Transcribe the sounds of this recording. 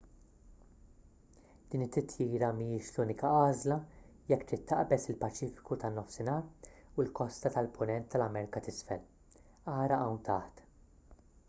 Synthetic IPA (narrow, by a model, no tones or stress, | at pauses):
d̪̥iːnɪt̪ːɪt̪ʰjiːɾɐmijɪːʃluːnɪkɐɐːzlɐjɛkːt̪ɾɪt̪ːɐ̰ʔbɛsɪlpɐt͡ʃiːfɪ̥kut̪ɐnːɔfsɪnɐːɾulkɔst̪ɐt̪ɐlpʰʊnɛnt̪ːɐlɐmɛːɾɪkɐt̪ɪsfɛ̰l | ɐːɾɐʔɐwnt̪ɐħt̪